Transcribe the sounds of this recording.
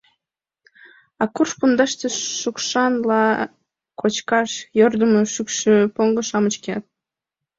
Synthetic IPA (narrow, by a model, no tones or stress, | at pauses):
ɑkurʃpund̪ɑʃt̪əʃukʃɑnlɑ | kʰot͡ɕkɑʃjørd̪əməʃykʃøpoŋɡəʃɑmət͡ɕkeɑt̪̚